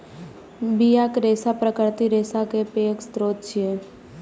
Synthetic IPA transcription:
bijakɾeːsapɾəkəɾt̪iɾeːsakepeːkst̪ɾoːt̪̚t͡ʃʰie

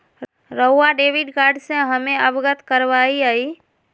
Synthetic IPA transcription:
ɾəʊːaɖeːʋɪɖkaːɾɖsẽɦəmẽəbɡət̪kəɾʋaːiaiː

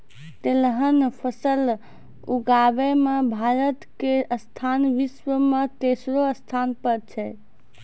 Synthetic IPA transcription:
t̪elɦənpʰəsəl | uɡabɛmebʱaɾət̪keəst̪ʰanʋiswəmet̪esɾoəst̪ʰanpəɾt͡ʃʰɛ

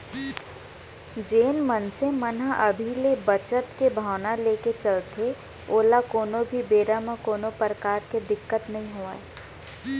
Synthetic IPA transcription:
d͡ʒeːnmənsemənaʔɐbʱilebət͡ʃət̪kebʱaːʋnaleːket͡ʃɐlt̪ʰe | oːlakoːnobʱibeːɾamãkoːnopəɾəkaːɾked̪ɪkːət̪nɐɦĩɦoːae

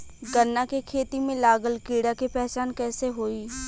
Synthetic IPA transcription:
ɡənːakekʰeːt̪imẽlaːɡəlkiːɽakepɛɦt͡ʃaːnkɛːseɦoːiː

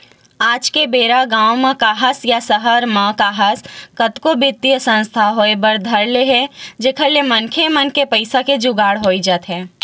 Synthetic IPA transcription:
aːd͡ʒkebeːɾaɡãːwmãkaːɦasjasəɦəɾmãːkaːɦaskət̪kobɪt̪ːijəsə̃nst̪ʰaɦoːebəɾd̪ʱɐɾleɦɛd͡ʒeːkʰəlːemɐnkʰemənkepəɪsaked͡ʒʊɡaːɽɦoːid͡ʒaːt̪ɦɛ̃ː

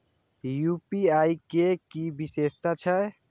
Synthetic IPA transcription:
jupiaikekibisest̪at͡ʃʰə

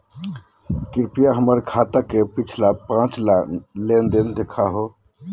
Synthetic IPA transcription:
kɪɾpijaɦəməɾkʰat̪akepit͡ʃʰlapãt͡ʃlend̪end̪ekʰaɦo

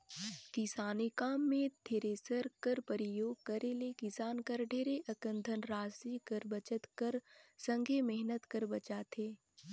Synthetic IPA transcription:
kɪsaːnikaːmːẽd̪ʰʱeɾesəɾkəɾpəɾɪjoːɡ̚kɐɾelekɪsaːnkəɾɖʱeːɾeʔɐkə̃nd̪ʱənɾaːsikəɾbɐt͡ʃət̪kəɾsə̃ŋɡʱemɛɦnət̪kəɾbɐt͡ʃaːt̪ʰeː

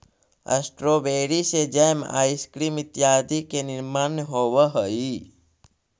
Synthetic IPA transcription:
ə̰sʈɾobeːɽised͡ʒəjma̰ːiskɾiːmɪt̪jaːd̪ikenɪɾmaːnɦoːʋəɦəi

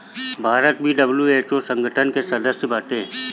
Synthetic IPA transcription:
bʱaːɾət̪̚bʱiɖəbljueːt͡ʃoːsə̃ŋɡʱəʈʰənkesəd̪əsjəbaːʈ̪ẽ

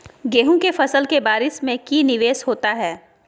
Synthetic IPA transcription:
ɡeːɦũkefɐsəlkebaːɾɪsmẽkiːnɪʋeːshoːt̪aɦɛː

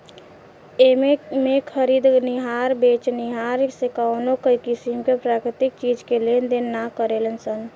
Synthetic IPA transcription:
ememekʰəɾid̪niɦaɾbet͡ʃniɦaɾsekanokəikisimkepɾakɾit̪ik̚t͡ʃid͡ʒkelend̪ennːakəɾelənsən

